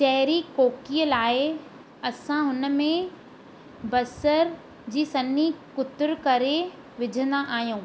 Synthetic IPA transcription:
ʃɐɦɾikoːkijəlaːɪ | ɐsãɦʊnə̆mẽ | bɐsəɾ | d͡ʑiːsɐnikʊt̪ɪɾkɐɾe | ʋɪd͡ʑʱə̃nd̪aʔaːɦijũː

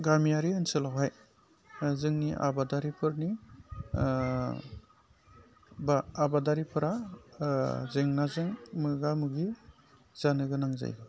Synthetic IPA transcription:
ɡamijaɾiɯnsɯlawɦaj | zɯŋniʔa̰badaɾipʰɯɾni | baːbadaɾipʰɯɾa | zeŋnazɯŋmɯɡamɯɡi | z̥anɯɡɯnaŋza̰jɯ

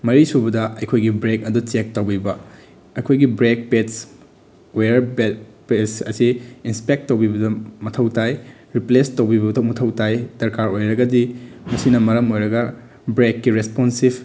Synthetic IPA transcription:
mɐɾisubɐdɐɐjkʰojɡibɾekɐdut͡ʃek̚tɐwbibɐ | ɐjkʰojɡibɾek̚pets | ojɐɾbepesɐsiːnspek̚ttːɐwbibɐdɐmɐtʰɐwtaj | ɾiplestowbibɐtʰmɐtʰɐwtajdɐɾkaɾojɾɐɡɐdimɐsinɐmɐɾɐmojɾɐɡɐ | bɾekːiɾesponsib

